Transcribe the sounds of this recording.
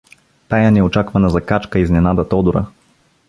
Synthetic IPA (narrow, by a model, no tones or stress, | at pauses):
t̪ajɐnɛot͡ʃakvɐnɐzɐkat͡ʃkəiznɛnad̪ɐt̪ɔd̪uɾə̰